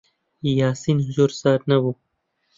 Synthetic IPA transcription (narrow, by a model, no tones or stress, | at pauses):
jaːsiːnɦʊzuɾsaːɾnɐwuː